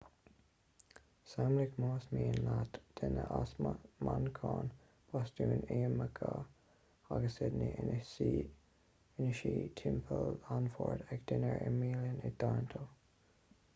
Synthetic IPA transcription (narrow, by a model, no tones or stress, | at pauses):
samlɪkmoːsmiːənlatd̥ɪnəʔasmmankʰɑːn | pʰɔstuːneːməkʰə | aɡəsɪdni | ɪnəʃiːtʰɪmpʰəlanfɔɹtʰɛkd̪̥ɪnəɹʔɛmiːljənɪd̪̥ɑɹntʰo